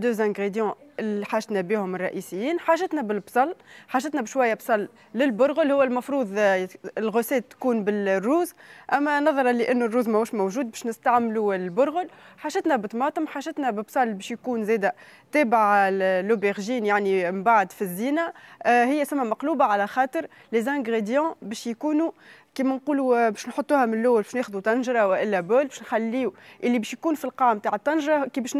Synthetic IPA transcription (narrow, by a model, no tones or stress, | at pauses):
d̪øːzæ̃ɡʁed̪jɑ̃liħaːʒt̪nɛbiːhʊmɪrˤːɑʔiːsɪjːiːnħaːʒɪt̪næbɪlbsˤɑlːħaːʒɪt̪nɛbʃwæjːæbsˤɑlː | ɪlbʊɾɣʊlhʊwːælmɑfɾuːðˤɪlɣʊsɛːt̪ːkuːnbɪlrːuːzʔæmːænɑðˤɑɾˤɑliʔænːʊrːuːzmæuːʃmowʒuːd̪̚bɛːʃnɪst̪aʕmluɪlbʊɾɣʊlħaːʒɪt̪nɛbɪt̪mɑːt̪ˤəmħaːʒɪt̪nɛbɪbsˤɑlːbɛːʃjkuːnzɛːd̪æt̪ɛːbaʕlːobeɣʒiːnjaʕnimbaʕd̪fizːiːnæɦɪjːæsæmːæmɑqluːbaʕalæxɑːt̪ˤəɾˤ | lezæ̃ɡʁed̪jɑ̃bɛːʃjkuːnukiːmænquːlubɛːʃnħot̪ˤːuːhæmɪnlːʊwːlbɛːʃneːxd̪ut̪ɑnʒɾˤɑwɪʔɪlːæboːlbɛːʃnxælːiːuʔɪlːibɛːʃjkuːnfilqɑʕmːt̪aːʕət̪ˤːɑnʒɾˤɑkibɛːʃ